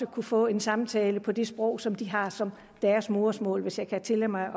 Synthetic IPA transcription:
əkʰufɔ̰̽ːe̝nsɑ̈mt͡sʰɛːləpʰɒ̽d̥e̝sb̥ʁɔ̽ʊ̰sɒ̽md̥iɦɑ̈sɒ̽m | d̥æːɐsmo̝ːɐsmɔ̰ːlʋe̝sjɑ̈ɪkʰæt͡sʰe̝lemɑ̈ɪ

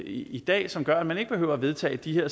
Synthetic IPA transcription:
id̥ɛ̰ːsɒ̽mɡ̥ɶɐæ̥mæne̝ɡ̥b̥e̝ɦø̰ʊ̰ɐʋe̝ð̞ˠt͡sʰɛ̰ːd̥iheɐ̰

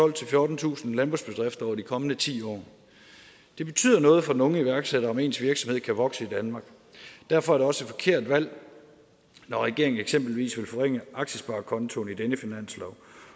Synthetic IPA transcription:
ɒ̽l̰t͡sʰe̝lfjɔːd̥n̩t͡sʰṵːsn̩lænb̥osb̥e̝d̥ʁefd̥ɐɒʊɐd̥ikʰɒ̽mənət͡sʰḭːɒ̰ː | d̥e̝b̥e̝t͡sʰy̰ð̰ˠɐnɔ̽ːð̩ˠfɒ̽nɔ̽ŋəiʋæɐɡ̥seɾ̥ɐɒ̽me̝ːnsʋiɐɡ̥sɒ̽mheð̰ˠkʰæʋɒ̽ɡ̥səid̥ænmɑ̈ːɡ̥ | d̥æɐfɒ̽æɐɾ̥eɒ̽sed̥fɒ̽kʰe̝ɐ̰d̥ʋæl̰ | nɒʁɛɡ̥e̝̰ɐeŋn̩eɡ̥semb̥l̩ʋḭːsʋe̝lfɒ̽ʁeŋ̰əʔɑ̈ɡ̥ɕəsb̥ɑ̈ːkʰɒ̽nt͡sʰo̝nid̥enəfinæn̰slɒʊ̰

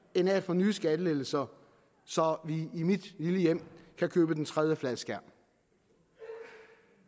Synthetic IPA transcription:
e̝næ̰ːd̥fɒ̽nyːsɡ̥æd̥əleɡl̩sɐ | sɒ̽ʋiːmid̥liləjem̰kʰækʰøːb̥əd̥ent͡sʰʁɛðˠjəflæðˠsɡ̥æɐ̰m

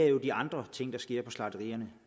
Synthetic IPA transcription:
ɐjo̝d̥iɑ̈nd̥ʁɐt͡sʰe̝ŋ̰d̥ɑ̈sɡ̥e̝ɐ̰pʰɒ̽slɑ̈d̥əʁḭːɐnə

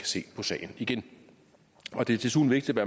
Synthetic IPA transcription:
æ̥se̝̰ːpʰɒ̽sɛ̰ːɪn̩iɡ̥en | ɒ̽d̥e̝t͡sʰe̝lsṵð̰n̩ʋe̝ɡ̥̚d̥id̥ʋæɐ

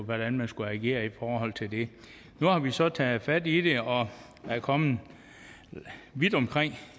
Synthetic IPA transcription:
ʋæɾ̥ænmænsɡ̥uæɡ̥e̝̰ːɐifɒːɦɒ̽l̰t͡sʰe̝ld̥e̝ | nuhɑ̈ʋisɒ̽t͡sʰɛːð̩ˠfæd̥id̥e̝ɒ̽ | æɐkʰɒ̽mð̩ | ʋid̥ɒ̽mkʰʁeŋ̰

